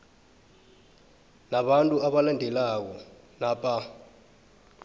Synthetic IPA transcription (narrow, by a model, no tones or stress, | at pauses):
naɓantʼuaɓalandʱɛlak̬ɔ | naːpʼa